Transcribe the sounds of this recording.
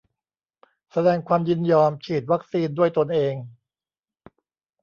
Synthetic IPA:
sa˧dɛː˧ŋkʰwaː˧mjɯ˥˩njɔː˧mt͡ɕʰiː˨˩t̪̚wa˦˥k̚siː˧ndu˥˩əjt̪o˧nʔeː˧ŋ

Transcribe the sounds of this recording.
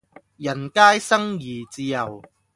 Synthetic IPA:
jɐ˨˩nkaː˥jsɐ˥ŋjiː˨˩t͡siː˧jɐ˨w

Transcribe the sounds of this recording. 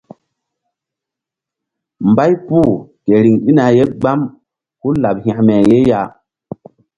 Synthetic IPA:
mba˦jpu˦˨ke˨ɾi˨ŋi˦na˨je˦ɡ͡ba˦m | ku˦la˨p̚hã˨mɛ˨je˦ja˦˨

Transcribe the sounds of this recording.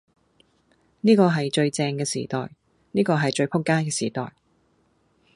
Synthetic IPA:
niː˥kɔː˧ɦɐ˨jt͡ʃɵ˧ɥt͡sɛː˧ŋkɛː˧sḭː˨˩t̪ɔ̰ː˨j | niː˥kɔː˧ɦɐ˨˩jt͡ʃɵ˧ɥpʰʊ˥kːaː˥nkɛː˧siː˨˩t̪ɔ̰ː˨j

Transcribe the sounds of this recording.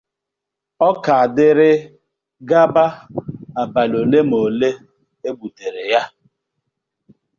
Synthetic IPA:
ɔ˦ka˨a˨dɪ˦ɾɪ˦ | ɡa˦ba˦a˨ba˨lo˨le˦mo˨le˦ | e˦ɡ͡bu˨te˨ɾe˨ja˦

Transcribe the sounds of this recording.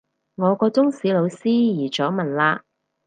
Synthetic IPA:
ŋɔː˨˧kɔː˧t͡sʊ˥ŋsiː˨˧lo˨˧wsiː˥jiː˨˩t͡ʃɔː˨˥mɐ˨˩nlaː˧

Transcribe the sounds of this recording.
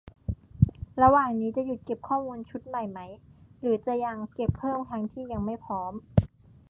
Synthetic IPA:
ɾa˧waː˨˩ŋniː˦˥t͡ɕa˨˩ju˨˩t̪̚ke˨˩p̚kʰɔː˥˩muː˧nt͡ɕʰu˦˥t̪̚ma˨˩jma˦˥jɾɯː˩˦t͡ɕa˨˩ja˧ŋke˨˩pʰːɤː˥˩mt̪ʰa˧˥ŋt̪ʰiː˥˩ja˧ŋma˥˩jpʰɔː˦˥m

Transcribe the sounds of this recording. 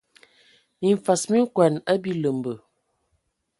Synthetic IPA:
mi˨ɱ˨fa˨smi˦ŋ˦kwa˨nə˦bi˦lə˨m˨bə˨

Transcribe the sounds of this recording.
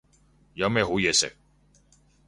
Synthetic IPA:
jɐ˨˧wmɛː˥˧ɦo˨˥jɛː˨˧sɪ̰˨k̚

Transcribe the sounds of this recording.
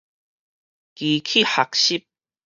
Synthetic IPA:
ki˨kʰi˥˨ha˨k̚ɕi˥˦p̚

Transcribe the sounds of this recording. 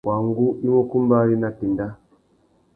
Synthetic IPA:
wʔa˨ŋɡu˦i˦wɔ˦ku˦mba˦ɾi˦na˨ti˨nda˦

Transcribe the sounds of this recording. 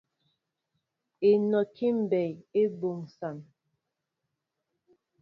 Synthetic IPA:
e˨nɔ˨ki˦m̩˨bɛ˨je˦bo˨ŋsa˨n

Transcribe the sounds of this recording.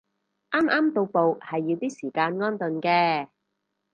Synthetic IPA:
ʔaː˥mʔaː˥mt̪o˧wpo˨whɐ˨jːiː˧t̪iː˥siː˨˩kaː˧nŋɔː˥nt̪ɵ˨nkɛː˧

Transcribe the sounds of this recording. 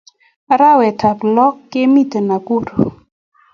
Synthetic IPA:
ɾa˦wɛ˨tʰa˨plɔ˦kːɪ˦mi˦t̪e˨na˨ku˦ɾo˨

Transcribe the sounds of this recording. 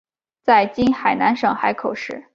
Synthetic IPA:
t͡sa˥˩ɪt͡ɕi˥nxa˨˩ɪna˧˥nʂɤ˨˩ŋxa˧˥ɪkʰo˨˩ʊʂɻ̩˥˩

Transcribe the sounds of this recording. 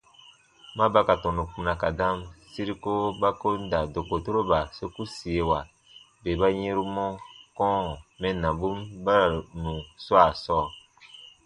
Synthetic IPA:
mã˦ba˦ka˨tɔ̃˨nu˨kũ˨nã˨ka˨dã˦msi˦ɾi˦ko˦ba˦ko˦n˦da˨do˨ko˨to˦ɾo˦ba˨so˦ku˦si˨e˨wa˨ | be˨ba˦jẽ˦ɾu˦mɔ̃˦kɔ̃˦˨mɛ̃˦nã˨bu˦mba˦ɾa˨nũ˨swa˨sɔː˦˨

